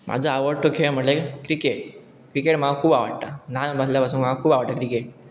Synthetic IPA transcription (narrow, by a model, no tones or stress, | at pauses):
mʔa̰d͡zʱaaʋəɾʈokʰem̤əʈlekɾikeʈ̚ | kɾikeʈm̤aakʰuːbaʋə̰ɽt̪ananbʱəsljapasuːnm̤aakʰuːbaʋəɽʈt̪akɾikeʈ̚